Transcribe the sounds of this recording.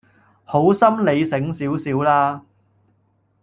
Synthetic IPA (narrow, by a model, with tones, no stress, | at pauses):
ho˨˥wsɐ˥mle˨˧jsɪ˨˥ŋsiː˨˥wsiː˨˥wlaː˥